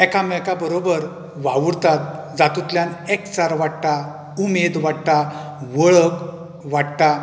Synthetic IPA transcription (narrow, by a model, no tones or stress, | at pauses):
ɛkamɛkabəɾobəɾ | ʋaʋuɾt̪at̪̚ | d͡zat̪ut̪ljanɛkt͡saɾʋaɽʈa | umed̪ʋaɽʈ̪a | ʋəɭək | ʋaɽʈ̪a